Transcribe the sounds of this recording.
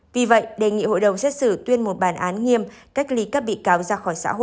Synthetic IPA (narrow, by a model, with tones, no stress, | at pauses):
vi˨˩və̰˧˨jɗe˨˩ŋḭ˧˨ho̰˧˨jɗə˨˩wŋ͡msɛ˦˥t̚sɨ˧˩t̪wi˧ənmo˨˩t̚ɓaː˧˩nʔaː˨˦nŋi˧əmka˦˥jk̚li˨˦ka˦˥p̚ɓḭ˧˨kaː˨˦wzaː˧xɔː˧˩jsa̰ː˧˥ɦo̰˧˨